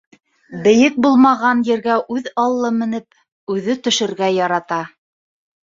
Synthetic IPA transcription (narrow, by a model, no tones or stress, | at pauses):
bɘ̆jɘk̚bulˠmɑʁɑnjɘ̆ɾɡæʔʉðɑlˠːɤmɘ̆nɘp̚ | ʉðɘt̪ɵ̆ʃɘ̆ɾɡæjɑɾɑt̪ɑ